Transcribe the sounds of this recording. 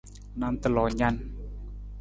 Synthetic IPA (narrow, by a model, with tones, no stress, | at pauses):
naː˧˥mt̪a˧lɔː˨˩ɲa˧˩˨n